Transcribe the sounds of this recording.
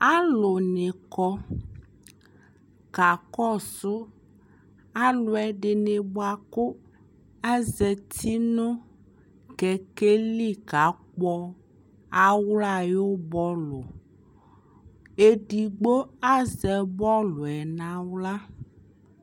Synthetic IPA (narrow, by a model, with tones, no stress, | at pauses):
a˦lo˨nẽ˨kɔ˦ | ka˨kɔ˦˨sʊ˦ | a˦lo˨ɛ˨ɖe˨ne˨bo˦a˨ko˦ | a˦zɛ˨t̪ʰi˦nõ˦ | kɛ˨ke˦li˦ka˨˦k͡pɔ˦ | a˦wla˦˨jo˦bɔ˦lo̰˨ | e˨ɖi˨ɡ͡bo˦a˦zɛ˨bɔ˦lo˨ɛ˨nã˦wla˦